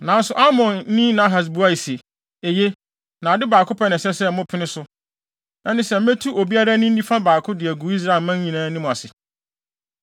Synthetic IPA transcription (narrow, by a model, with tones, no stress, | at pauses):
nã˨˦n̩˦sʊ˨ʔa˦mɔ̃˨n˦nĩ˦nã˨˦ɦa˨s̬bu˦a˦i˨se˨ | e˨je˦ | nã˨dɪ˦baː˨kʰʊ˦pʰa˦nɪ̃˨sɛ˦sɛ˦˨˦mʊ̃˦pʰɪ˦nɪ̃˦sʊ˦ | ã˦nɪ̃˦sɛ˨m̩˦me˦tʰu˦ʔo˨bi˦a˦ɾa˦nʊ̃˦n̩˦ĩ˦fã˦baː˨kʰʊ˦dɪ˨æ˨ɡu˨i˦s̬ɾa˦ɪ˨lmã˦ɲĩ˨nãː˦nɪ̃˦mʊ̃˨a˨sɪ˨